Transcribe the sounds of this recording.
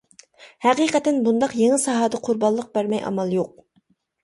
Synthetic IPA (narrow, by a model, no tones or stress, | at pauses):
hæqiːqɛt̪ɛnbund̪ɑqjeŋɪsɑɦɑːd̪ɑqʰʊɾbɑlˠːəq̚bæɾmɛjʔɑ̰mɑlˠjoq̚